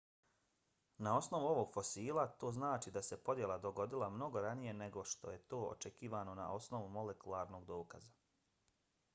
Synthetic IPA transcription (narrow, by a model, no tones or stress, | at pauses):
nao̞sno̞ʋuo̞ʋo̞ɡ̥fo̞siːlˠat̪o̞ːznaːt͡ʃid̪ase̞po̞d̪je̞lˠad̪o̞ɡo̞d̪ilˠamno̞ɡo̞ɾanije̞ne̞ɡo̞ʃt̪o̞̰je̞t̪o̞ːo̰t͡ʃe̞kiːʋano̞na̰ʔo̞snoʋumo̞le̞kulˠaːɾno̞ːɡd̪o̞ːkaza